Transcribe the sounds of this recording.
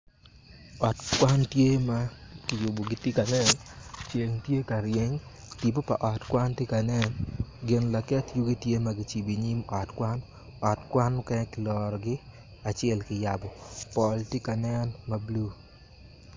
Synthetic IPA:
ɔ˨tkwa˦ntje˦ma˦kɪ˨jʊ˨bo˨ɡɪ˦ti˦ka˨nɛ˦nt͡ʃe˨ŋtje˦ka˨ɾje˨ŋ | ti˨b̬o˦pa̰˨ʔɔ˨tkwa˦ntɪ˦ka˨nɛ˦nɡɪ˨nla˨kɛ˦tju˦ɡi˦tje˦ma˨ɡɪ˨t͡ʃi˨bi˨ɲi˦mɔ˨tkwa˦n | ɔ˨tkwa˦n˦kɛ˦kɪ˨lɔ˨ɾɔ˨ɡɪ˦ | a˨t͡ʃɛ˦lkɪ˨ja˨bɔ˨pɔ˨lti˦ka˨nɛ˦nma˨blu˦

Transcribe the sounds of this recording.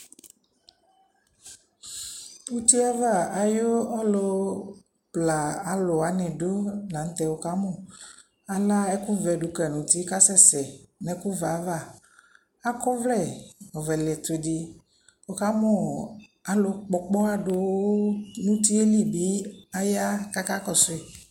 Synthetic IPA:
wu˦t̪i˦a˦va˦˨a˨jo˦ɔ˦lo˨˦ | pla˨a˨lo˨a˨nɛ̃˨ɖo˦la˨ŋ̩˦t̪ɛ˨wo˨ka˦mɔ̃˦˨ | a˨la˦ɛ˦kũ˦vɛ˨ɖo˨kɛ˨nũ˨t̪i˦ka˦sɛ˦sɛ˨nɛ̃˨kũ˦va˨˦va˦˨ | a˦kɔ˦vlɛ˦˨o˨vɛ˨le˨t̪e˨di˨ | wo˦ka˦mɔ̃˦˨a˨lo˨k͡pɔ˨k͡pɔ˦a˦ɖo˨wo˦nũ˦t̪i˦e˦li˦˨bi˦a˦ja˦ka˦ka˦kɔ˦˨sʊ˦e˨

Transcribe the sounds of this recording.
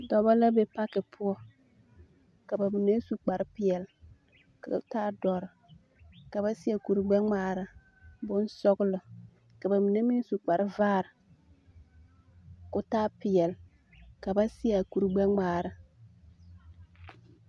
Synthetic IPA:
dɔ˨ba˦la˦be˨pa˦kɪ˨pʰʊ˦ɔ˦ | ka˨ba˨mi˨ne˦su˨k͡pa˨ɾɪ˦pɪ˨ɛ˨l | ka˨˦taː˦dɔ˨ɾɪ˨ | ka˨ba˦sɪ˦a˨ku˨ɾu˨ɡ͡bɛ˦ŋ͡maː˨ɾɪ˨ | bʊ˦n˦sɔ˦ɡʊ˦lɨ˨ | ka˨ba˨mi˨ne˦mi˦n˦su˨k͡pa˨ɾɪ˦vaː˦˨ɾɪ˨ | kʊ˦taː˦pɪ˨jɛ˨l | ka˨ba˦sɪ˦ja˨ku˨ɾɡ͡bɛ˦ŋ͡maː˨ɾa˨

